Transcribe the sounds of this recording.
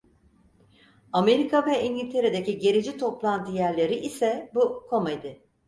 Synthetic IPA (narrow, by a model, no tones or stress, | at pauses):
ame̞ɾikʰavɛinɟʲilʲt̪ʰe̞ɾed̪eciɟe̞ɾid͡ʒit̪ʰo̞plˠant̪ʰɯjæɾlʲe̞ɾiʔisɛbukʰo̞majd̪ɯ